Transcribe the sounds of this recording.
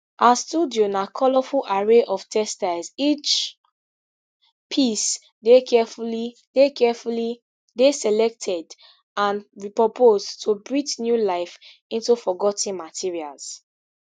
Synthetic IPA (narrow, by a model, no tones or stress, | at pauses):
ʔastudionakʰɔlɔfulʔaɹeʔɔv̥tʰɛstazit͡ʃ | pʰis | dekʰɛfuli | dekɛfuli | desɛlɛk̚tʰɛd | ãnɹipɹopʰoztʰubɹitnjulaɪf | ĩntufɔɡɔtĩnmatʰiɹia̰lz̥